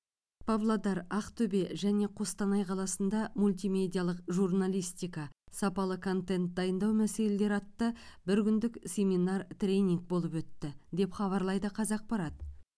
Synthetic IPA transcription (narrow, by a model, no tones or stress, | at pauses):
pʰablˠad̪ɑɾɑqt̪ʰɵbe̞ʒæne̞qʰost̪ɑnɑjqʰɑlˠɑsənd̪ɑmulʲt̪ijmʲe̞d̪ʲijalˠəqʒurnalʲijst̪ijkɑsɑpɑlˠəkʰo̞nt̪e̞nt̪̚d̪ɑjənd̪ɑwmæse̞le̞le̞ɾɑt̪ːəbɪɾkʲʏnd̪ɪksʲe̞mʲinɑrt̪rʲe̞nʲiŋk̚bo̞lˠəpwɵt̪ːɪd̪e̞pχɑβɑɾlˠɑjd̪əqʰɑzɑq̚pɑɾɑt̪